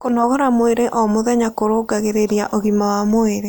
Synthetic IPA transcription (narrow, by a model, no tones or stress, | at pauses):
konɔɣɔɾamoeɾeʔɔmoðɛɲakoɾoɡaɣeɾeɾjaʔoɣimawamoeɾe